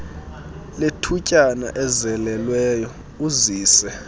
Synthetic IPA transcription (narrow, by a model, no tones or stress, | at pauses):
letʰucʼana̰ʔɛzɛlɛlwɛːjɔ | uziːsɛ